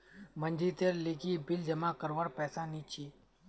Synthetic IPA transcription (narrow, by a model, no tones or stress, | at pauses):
mənd͡ʒit̪eɾleːkibɪld͡ʒəmãkəɾʋəɽpɛːsaniːt͡ʃʰiː